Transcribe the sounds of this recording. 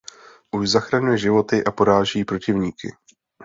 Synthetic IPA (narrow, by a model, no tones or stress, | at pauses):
ʔuʒzaxɾaɲujɛʒɪvo̞t̪ɪʔapo̞ɾaːʒɛjiːpɾo̞cɪvɲiːkɪ̰